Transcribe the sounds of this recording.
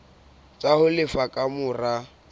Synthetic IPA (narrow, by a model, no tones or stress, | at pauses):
t͡ʃʼahʊlɪfakʼamʊra